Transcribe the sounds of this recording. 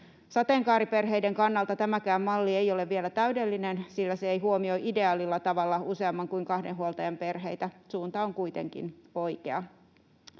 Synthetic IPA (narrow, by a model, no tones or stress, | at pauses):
sɑt̪eːŋkɑːɾipe̞rɦe̞jdeŋkɑnːɑlt̪ɑt̪æmækæːmːɑlːiejo̞le̞ʋʋielæt̪æydelːinensilːæseejɦuomio̞iʔide̞ɑːlilːɑt̪ɑʋɑlːɑuse̞ɑmːɑŋkuiŋkɑhdenɦuolt̪ɑjɑmpe̞rɦe̞jt̪æsuːnt̪ɑoŋkuit̪e̞̰ŋkḭno̞ikeɑ